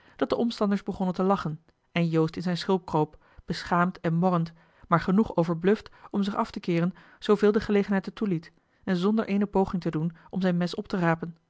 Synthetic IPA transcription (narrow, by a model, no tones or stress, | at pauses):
d̥ɑt̚dəʔɔmstɑndəɹzbəχɔnəntəlɑχən | ɛnjowstɪnzɛjnsχɪlˠp̚krowp | b̥əsχaːmtɛnmɔrənt | maːɹχənuχowvəɹblɵftɔmzɪχɑftəkɪːrən | z̥owvɪːlˠdəχəlejχənɦɛjtətulit | ɛnzɔndəɹʔejnəpowχɪŋtədunʔɔmzɛjnmɛsɔp̚təraːpən